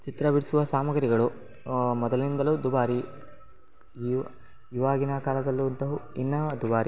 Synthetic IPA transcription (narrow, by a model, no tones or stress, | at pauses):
t͡ʃit̪ɾɐbiɽisuʋɐsaːmɐɡɐɾiɡɐɭu | mɔd̪ɐlind̪ɐlud̪ubaːɾi | i | iʋaːɡinɐkaːlɐd̪ɐlːuɐnt̪ɐɦuinːɐɐd̪ubaːɾi